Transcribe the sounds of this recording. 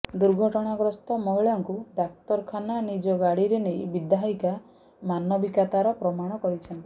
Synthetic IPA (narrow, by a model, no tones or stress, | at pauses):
d̪uɾɡʱɔʈɔɽ̃aɡɾɔst̪ɔmɔɦiɭɔŋkuɖak̚t̪ɔɾkʰananid͡ʒɔɡaɽiɾenejbid̪aɦika | manɔbikat̪aɾɔpɾɔmaɽ̃ɔkɔɾit͡ʃʰɔnt̪i